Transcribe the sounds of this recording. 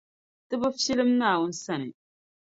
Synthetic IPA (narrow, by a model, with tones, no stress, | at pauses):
tɨ˦bɨ˦fi˦lɨ˦mnaː˦˨wʊ˦n̩˦sa˦˨nɨ̰˨